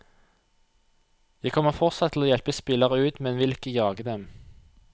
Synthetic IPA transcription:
jæɪkʰɔməfɔʁtsɑt̪ʰːl̩oːjɛlpəspɪləʁəʉːt̪mɛnʋɪlɪkəjɑːɡəd̪ɛm

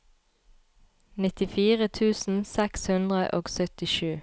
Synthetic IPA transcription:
nɪt̪ɪfiːʁət̪ʰʉːsn̩sɛkshʉnd̪ʁəʔo̰ːɡsœt̪ɪʃʉː

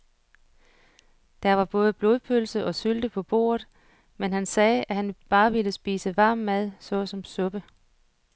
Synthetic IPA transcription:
d̥ɑʋɑ̈b̥ɔ̽ːð̞ˠəb̥lo̝ðˠpʰølsəʔɒ̽syld̥əpʰɒ̽b̥o̝̰ːɐð̞̩ˠ | menɦænsɛːʔæhænb̥ɑ̈ːʋiləsb̥ḭːsəʋɑ̈ːmːæð̞ˠsɒ̽sɒ̽msɔ̽b̥ə

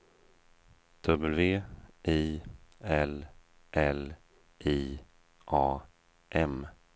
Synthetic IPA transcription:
d̪̥ɵbəlveːʔiːɛl | ʔɛl | ʔiː | ʔɑː | ʔɛm

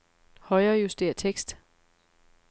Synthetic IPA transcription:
hɒ̽ɪɐːjusd̥e̝ɐ̰t͡sʰeɡ̥sd̥

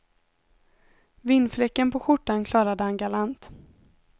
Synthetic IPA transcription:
vɪnːflɛkːənpʰɔɧʊʈːankʰlɑːɾad̪əhanɡalant̪

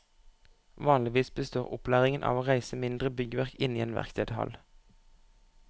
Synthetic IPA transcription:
ʋɑːnlɪʋiːsbəst̪oːʁʊplæːʁɪŋənʔɑ̰ːʋoːʁæɪsəmɪnd̪ʁəbʏɡəʋæʁkɪniːeːnʋæ̰ʁkt̪ʰeːd̪hɑ̰l

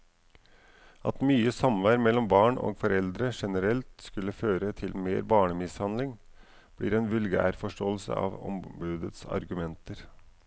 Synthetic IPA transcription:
ʔɑ̰t̪myːəsɑmʋæːɾmɛlːɔmbɑːɳo̰ːɡfɔɾɛld̪ɾəʂɛnəɾɛlt̪skʉlːəføːɾət̪ʰɪlmeːɾbɑːɳəmɪshɑnlɪŋ | b̥lḭːɾɛːnʋʉlɡæ̰ːɾfɔʂʈoːəlsə̰ɑ̰ːʋɔ̰mbʉːd̪ət̪sɑ̰ɾɡʉmɛnt̪əɾ

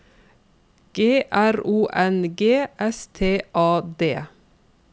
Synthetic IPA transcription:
ɡ̥eːʔæɾuːʔɛnɡeːʔɛst̪ʰeːʔɑːd̪eː

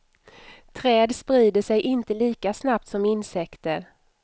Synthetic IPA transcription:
t̪ʰɾɛːd̪spɾiːd̪əʂɛjʔɪnt̪əliːkasnap̚t̪sɔmɪnsɛkt̪əɾ

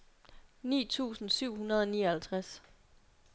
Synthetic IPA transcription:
nḭːt͡sʰṵːsn̩syʊ̰ɦunɐð̞ˠɒniːɐhælt͡sʰʁas

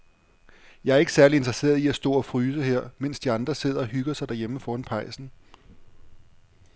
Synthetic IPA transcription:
jɑ̈ɪæɐe̝ɡ̥ə̥sæɐliend̥ʁɐse̝̰ːɐð̞ˠiæsd̥ɔ̰̽ːɒ̽fʁyːs̬əheɐ̰men̰sd̥iɑ̈nd̥ʁɐse̝ð̞̰ˠɐɒ̽ɦyɡ̥ɐsɑd̥æɐjeməfɒːnpʰɑ̈ɪ̰sn̩

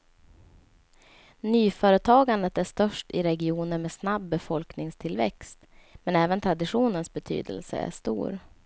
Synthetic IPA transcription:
nyːfœːɾət̪ʰɑːɡand̪ət̪æʂt̪œʂʈɪɾɛɡɪuːnəɾmɛːsnabːɛfɔlknɪŋst̪ʰɪlvɛ̰kst̪mɛnɛːvənt̪ʰɾad̪ɪɧuːnənsbɛt̪ʰy̰ːd̪ə̰lsə̰æ̰ʂt̪ṵːɾ

